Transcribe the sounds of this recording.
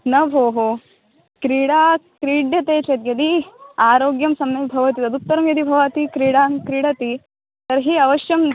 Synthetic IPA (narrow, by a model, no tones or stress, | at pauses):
nɐbʱoːɦo | kɾiːɽaːkɾiːɖjɐt̪eːt͡ʃɐt̪jɐd̪iaːɾoːɡjɐmsɐmnɐbʱɐʋɐt̪it̪ɐd̪ut̪ːɐɾɐmjɐd̪ibʱɐʋaːt̪ikɾiːɽaːŋkɾiːɽɐt̪i | t̪ɐɾɦiːɐʋɐʃjɐm